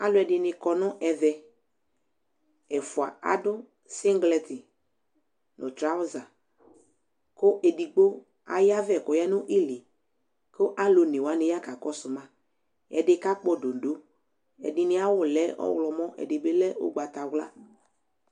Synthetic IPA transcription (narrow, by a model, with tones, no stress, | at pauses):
a˦lʊ˦ɛ˨dɪ˨nɪ˧kɔ˨nʊ˦ʔɛ˨vɛ˨ | ɛ˨fʊ˨a̰˨a̰˨dʊ˦ | si˦ŋɡlɛ˨tɪ˨ | nʔʊ̃˨t̪ɾa˦ʊ˦za˨ | kʊ˦ʔe˨di˨ɡ͡bo˦ | a̰˨ja˦vɛ˨kʊ˨jɛ˦nʊ˦ʔi˦li˨ | ko˦ʔa˦lo˨nɪ˨wa˨˦nɪ˨ja˦ka˨kɔ˦sʊ˨mã˦ | ɛ̰˨dɪ˦ka˦k͡pɔ˦do˨n˨do˦ | ɛ̰˨dɪ˨nɪ˦a˦wʊ˦lɛ˦ɔ̰˦wlɔ˨mɔ˦ʔɛ̰˨dɪ˨be˦lɛ˦o̰˦ɡ͡ba˨t̪a˨wla̰˦